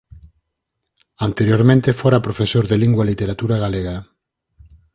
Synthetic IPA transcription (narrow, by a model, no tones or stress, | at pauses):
ant̪eɾjoɾmẽnt̪efoɾapɾofesoɾðeliŋɡwalit̪eɾat̪uɾaɣaleɣa